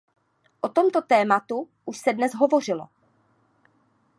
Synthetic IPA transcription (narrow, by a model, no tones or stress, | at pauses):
ʔo̞t̪o̞mt̪o̞t̪ɛːmat̪u | ʔuʃsɛdnɛzɦovo̞r̝ɪlo̰